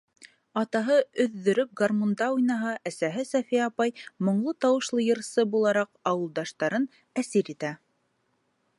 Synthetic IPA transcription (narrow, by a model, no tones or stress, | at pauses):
ɑt̪ɑɦɤɵ̆ðːɵ̆ɾɵp̚ɡarmond̪ɑujnɑɦɑʔæsæɦɘsæfijæɑpɑjmŏɴlˠɤt̪ɑwɤ̆ʃlˠɤjɤ̆ɾsɤbulˠɑɾɑqɑwɤ̆lˠd̪ɑʃt̪ɑɾɤn | æsiɾit̪æ